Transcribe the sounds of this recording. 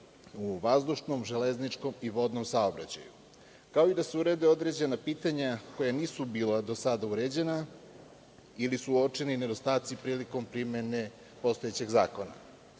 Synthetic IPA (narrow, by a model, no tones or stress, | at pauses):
uʋazd̪uʃno̞mʒeleznit͡ʃko̞miʋo̞d̪no̞msaobɾa̰t͡ɕa̰ju | kao̞id̪aseuɾe̞d̪eo̞d̪ɾe̞d͡ʑe̞napiːt̪aɲakojaniːsubiːlad̪o̞sad̪auɾed͡ʑe̞na | ilisuo̞t͡ʂenine̞d̪o̞st̪aːt̪sipɾiːliko̞mpɾime̞ne̞ | po̞st̪o̞e̞t͡ɕe̞ɡza̰ːko̞na̰